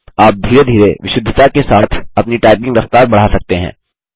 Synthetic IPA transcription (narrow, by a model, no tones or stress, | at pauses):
aːp̚d̪ʱiːɾed̪ʱiːɾeʋɪʃʊd̪ʱːət̪akesaːt̪ʰɐpniʈaːɪpɪ̃ŋɡɾɐft̪aːɾbɐɽ̤asɐk̚t̪eɦɛ̰̃ː